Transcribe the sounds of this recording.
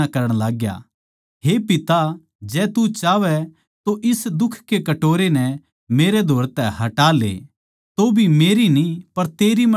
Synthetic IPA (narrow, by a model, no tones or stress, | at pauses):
akɐɾəɽ̃laːɡja̰ | ɦepɪt̪a | d͡ʒɛːt̪ut͡ʃaːʋɛ | t̪oʔɪsd̪ʊkʰkekɐʈoːɾenɛ | meːɾed̪ʱoːɾt̪ɛhɐʈaːlḛː | t̪obʱimeːɾinĩpɐɾt̪eːɾimɐ